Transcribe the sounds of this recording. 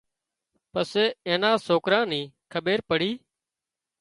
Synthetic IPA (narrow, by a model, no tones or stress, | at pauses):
pəseːeːnãːsoːkɾãːnĩːkʰəɓeːɾpəɽiː